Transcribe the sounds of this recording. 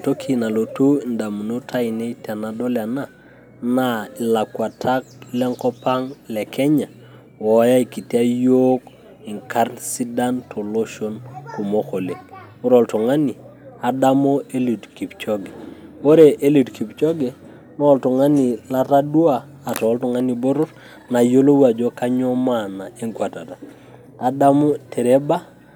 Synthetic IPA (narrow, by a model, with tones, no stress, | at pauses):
to˦kʰi˨na˨lo˨tu˦˨nda˨mu˨no˦tʰa˦i˨ne˦ta˨na˨dɔ˦la˨na˦ | na˦i˨la˨kwa˨tʰa˦k̚lɛ˦ŋkɔ˦pa˦ŋlɛ˨kʰɛ˦ɲa˨ | wɔ˨ja˦i˨ki˨ti˦a˦jo˦k | i˨ŋka˦ɾsi˦da˦ntʰo˨lo˦ʃo˦nku˨mo˦xo˨le˨ŋwo˦ɾɔ˨ltɔ˨ŋa˦ni˨a˨da˦mo˦e˦li˨tki˨pt͡ʃɔ˦ɡe˨o˦ɾe˨ʔe˦li˨tkʰi˨pt͡ʃɔ˦ɡe˨ | nɔ˦˨ltu˨ŋa˦ni˨la˦ɾa˦du˦aː˨ | tɔ˨˦ltu˨ŋa˦ni˨bo˦ɾʊ˦ɾ | na˨jo˦lo˦wa˨d͡ʒo˦ka˦ɲɔ˦ma˨na˨e˦ŋkwa˨ta˨ta˨ | a˨da˦mo˦te˨ɾe˦ba˦